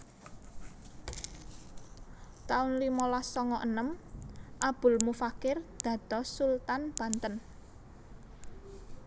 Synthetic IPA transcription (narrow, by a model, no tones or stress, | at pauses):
t̪aʊnlimɔlasɔŋɔʔənəmʔab̥ʊ̤lmufakɪrd̪̥ä̤d̪̥ɔ̤sult̪anb̥ä̤nt̪ən